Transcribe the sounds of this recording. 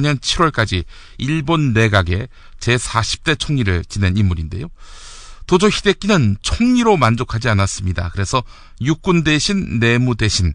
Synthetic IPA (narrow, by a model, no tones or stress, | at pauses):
ɲʌnt͡ɕʰiɾwʌɭk͈ad͡ʑi | iɭbonːe̞ɡaɡe̞ | t͡ɕe̞sʰaɕʰi̥p̚t͈e̞t͡ɕʰoŋɲiɾɯɭt͡ɕine̞nimːuɾinde̞̰jo | tod͡ʑoçide̞k͈inɯnt͡ɕʰoŋɲiɾomand͡ʑokʰad͡ʑianas͈ɯmɲida̰kɯɾe̞sʰʌ | juk̚k͈unde̞ɕʰinːe̞mude̞ɕʰin